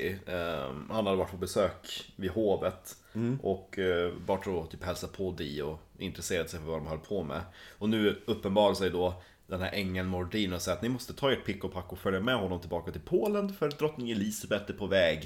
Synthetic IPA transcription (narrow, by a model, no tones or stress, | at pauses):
hanhad̪əvaʈːpʰɔbɛsøːkvɪd̪hoːvət̪ | ʔɔkbɑːʈɔt̪ʰyːphɛlsapʰɔd̪ɛɔ | ɪ̰nt̪ɾɛseːɾad̪sɛjfœɾvad̪ɔmhœlpʰɔmɛ̰ɔnʉ̟ːɵpːənbɑːɾasɛjd̪ɔ | d̪ɛnhæɾʔɛŋːənmʊɾɖiːnɔsɛjat̪nɪmɔst̪ət̪ʰɑːeːʈ̚pʰɪkːʊpʰakːɔfœljamɛɦɔnːɔmt̪ɪlbɑːkat̪ɪlpʰoːlənfœɾt̪̚d̪ɾɔt̪nɪŋɪliːsabɛt̪ːɛpʰɔvɛːɡ